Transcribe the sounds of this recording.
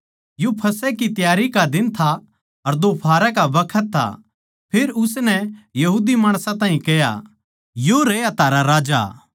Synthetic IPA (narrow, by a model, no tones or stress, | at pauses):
jopʰɐsɛkit̪jaːɾikad̪ɪnt̪ʰa | ɐɾd̪opʰaːɾakabɐkʰət̪ʰːa̰ | pʰɪɾʊsnɛjɐɦuːd̪imaːɽ̃sãt̪ãːɦĩkɛja̰ | joɾejat̪ʰaːɾaɾaːd͡ʒa̰